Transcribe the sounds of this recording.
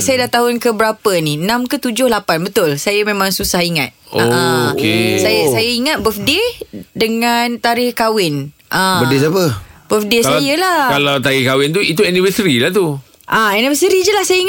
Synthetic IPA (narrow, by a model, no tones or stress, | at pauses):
sajadaht̪aɦʊnkəbəɾapəniənãmkət̪ud͡ʒʊhlapanbət̪ʊlsajəmẽmãŋsusahiŋa̰t̪̚oaəkesajasajəiŋat̪̚bəfdedəŋant̪aɾɪhkawɪn | ʔəbədesapəb̥əfdesajəlahkalawt̪aɾɪhkawɪnt̪uit̪uɛnibəsɾilaht̪u | ʔaɛnibəsɾid͡ʒəlahsajəiŋ